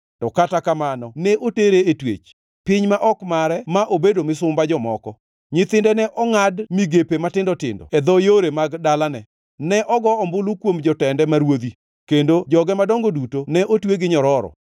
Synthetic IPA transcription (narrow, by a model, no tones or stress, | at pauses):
tɔkatakamanɔnɛʔoteɾeetwḛt͡ʃ | pɪɲmaʔɔkmaɾɛmaʔobedomɪsʊmbad͡ʒɔmɔ̰kɔ | ɲɪt̪ɪndɛnɛʔɔŋadmiɡepematɪndɔtɪ̰ndɔ̰ɛd̪ɔjoɾemaɡdalanɛ | nɛʔɔɡɔɔmbʊlukwomd͡ʒɔtɛndɛmaɾwod̪i | kendod͡ʒɔɡɛmadɔŋɡodutonɛʔotweɡɪɲɔɾɔɾɔ̰